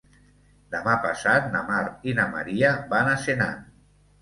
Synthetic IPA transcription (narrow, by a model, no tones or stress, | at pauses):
d̪əmapasat̪̚namaɾinama̰ɾiabanasena̰